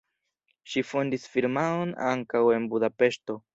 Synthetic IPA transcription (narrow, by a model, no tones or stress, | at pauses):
ʃifo̞ndisfiɾmaona̰ŋkawe̞nbudape̞ʃto̞